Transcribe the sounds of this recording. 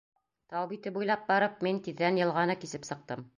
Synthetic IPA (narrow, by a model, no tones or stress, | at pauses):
t̪ɑwbit̪ɘbujlˠɑp̚bɑɾɤp̚mint̪iðːænjɤ̆lˠʁɑnɤkisɘpsɤ̆q̚t̪ɤm